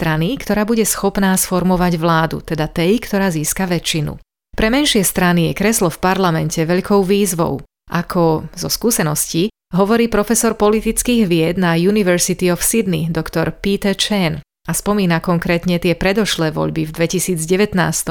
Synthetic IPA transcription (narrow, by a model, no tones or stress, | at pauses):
t̪ɾanikt̪ɔɾaːbuɟɛsxɔpnaːsfɔɾmɔʋaɟʋlaːd̪ṵt̪ɛd̪at̪ɛjkt̪ɔɾaːziːskaʋɛt͡ʃːinṵ | pɾɛmɛnʃɪɛst̪ɾanijɛkɾɛslɔfpaɾlamɛncɛʋɛʎkɔʊʋiːzʋɔ̰ʊ | ʔakʰɔzɔskuːsɛnɔsci | ɦɔʋɔɾiːpɾɔfɛsɔɾpɔlit̪it͡skiːɣʋɪɛd̪najuniʋɛɾsit̪iɔfsid̪nḭd̪ɔkt̪ɔɾpit̪ɛt͡ʃɛn | aspɔmiːnakɔŋkɾɛːt̪ɲɛt̪ɪɛpɾɛd̪ɔʃlɛːʋɔ̰ʎbivd̪ʋɛcisiːd͡zɟɛʋɛt̪na̰ːst̪ɔ